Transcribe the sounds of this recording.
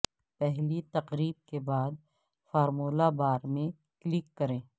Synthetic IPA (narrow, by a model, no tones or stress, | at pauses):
pɛɦlit̪ɐqɾiːb̚kebaːd̪̚ | faːɾmuːlabaːɾmẽ | klɪkːɐɾẽː